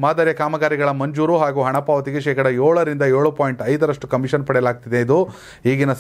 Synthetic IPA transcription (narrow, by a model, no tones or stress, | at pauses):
maːd̪ɐɾjɐkaːmɐɡaːɾiɡɐɭɐmɐɲd͡ʒuːɾuɦaːɡuːɦɐɳɐpaːʋɐt̪iɡe̞ʃɛːkɐɽɐjoːɭɐɾind̪ɐjoːɭupaːjɳʈɐjd̪ɐɾɐʂʈukɐmiʂɐnpɐɽɛlaːɡ̚t̪id̪e̞id̪u | ɦiːɡinɐs